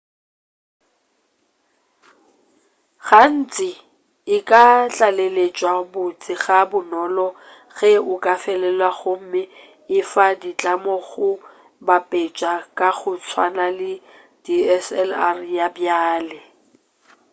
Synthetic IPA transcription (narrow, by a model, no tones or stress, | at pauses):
ɣan̩t͡sʼɪ | ɪkʼat͡ɬʼalelet͡ʃʼwabʊt͡sʼɪɣabʊnɔlɔ | ɣɛʊkʼafɛlɛlwaɣʊm̩mɪ | ɪfadit͡ɬʼamɔɣʊ | bapʼet͡ʃʼakʼaɣʊt͡sʰwa̰nalɪ | d̥iɛsɛlarjabjaːlɪ